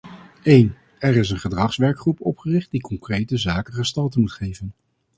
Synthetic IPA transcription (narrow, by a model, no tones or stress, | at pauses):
ejn | ɛɹɪsənχədrɑχsʋɛɹkχrupɔpχərɪχt̚dikɔŋkrejtəzaːkənχəstɑlˠtəmutχejvən